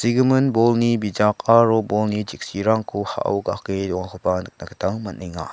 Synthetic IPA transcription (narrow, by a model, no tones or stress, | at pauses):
siɡɯmɯnbɔlnibid͡ʒakaɾɔbɔlnid͡ʒik̚siɾaŋkʰuha̰ʔa̰wɡa̰kedɔŋakʰɔpanɯk̚nakʰə̥taŋmaniŋa̰